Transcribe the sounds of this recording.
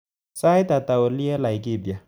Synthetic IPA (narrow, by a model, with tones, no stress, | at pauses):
sa˦i˦ta˨ta˨o˨li˦ɛ˦la˨i˨ki˦˨bi˨a˨